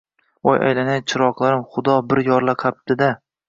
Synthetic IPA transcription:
ɒjʔa̰jlanajt͡ʃʰɪɾɒqlˠaɾɪmχʊd̪ɒbɪɾjɒɾlˠaqʰap̚t̪ʰɪd̪a

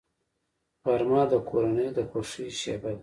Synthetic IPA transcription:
paɾmɑd̪əkʰoɾanəjd̪əxoʂiʃebad̪

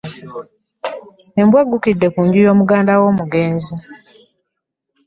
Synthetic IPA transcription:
embwaɡːukidːe̞kuːɲɟujo̞ːmuɡaːndawo̞ːmuɡeːnzi

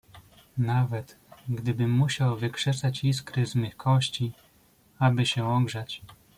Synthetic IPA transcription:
navɛt̪ | ɡd̪ɘbɘmːuɕawvɘkʂɛt̪sat͡ɕiskɾɘzmɘkʰɔɕt͡ɕi | abɘɕɛwɔŋɡʐat͡ɕ

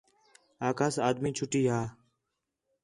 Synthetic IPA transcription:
aːkaːsaːd̪miːt͡ʃʰʊʈiːɦaː

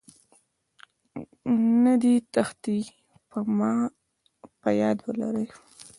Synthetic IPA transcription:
nad̪it̪axt̪i | pəmɑ | pəjɑd̪wəlaɾəj

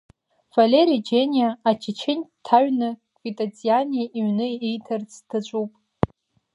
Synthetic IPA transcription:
v̥alʲeɾid͡ʒenʲijaːt͡ʃʰɪt͡ʃʰɪnʲtʰːaɥnɨkʷʼvitʼat͡sʼijanʲiʔiɥnɨejtʰart͡sʰʼtʰat͡ʃʷʼupʼ

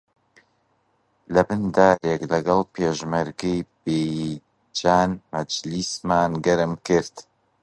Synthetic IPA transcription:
lɐbɨnd̪aːɾeklɐɡɐlˠpʰeːʒmɐɾɡɪjbe | d͡ʒaːnmɐd͡ʒlismaːnɡɐɾɨmkɨɾt̪

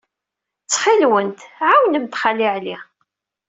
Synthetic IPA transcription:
t͡sːχilwənt̪ʕawnəmt̪χaliʕli

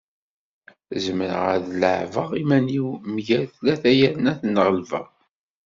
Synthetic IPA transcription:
zəməɾə̰ʁæðlə̰ʕvəʁimæniwmʝæθlæθæjænæθnːəʁəlvə̰ʁ

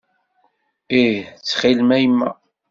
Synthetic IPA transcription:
it͡sːχilmæjmːæ̰

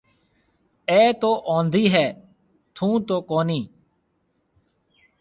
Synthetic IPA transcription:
ɛːt̪oːʔõːnd̪iːɦɛː | t̪ʰũːt̪oːkoːniː

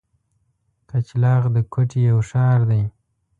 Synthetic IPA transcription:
kʰat͡ʃlɑɣd̪əkʰoʈʰejawʂɑːɾd̪aj

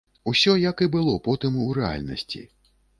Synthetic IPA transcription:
usʲɔjɐkɨbɨlˠɔpɔt̪ɨmuɾɛa̰lʲnɐ̰sʲt͡sʲḭ

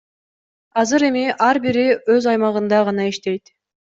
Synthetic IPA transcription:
ɑzɯɾe̞miʔɑɾbiɾiø̞zɑjmɑʁɯnd̪ɑʁɑnɑiʃt̪e̞jt̪

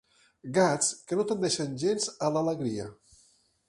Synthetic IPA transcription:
ɡat͡skənot̪ənd̪ɛʃənʲʒenzələləɣɾiə̰

